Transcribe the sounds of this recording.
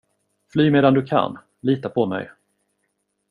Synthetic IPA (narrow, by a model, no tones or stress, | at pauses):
flyːmeːd̪and̪ɵkʰa̰n | liːt̪apʰɔmɛ̰j